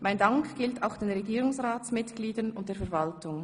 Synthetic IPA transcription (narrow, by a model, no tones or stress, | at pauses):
maɪndaŋkʰɡ̥ɪltaʊxd̥eːnʁeɡiːɾʊŋsʁaːt͡smɪtɡ̥liːdənʊnt̚d̥eːɐfɛɐvaltʊŋ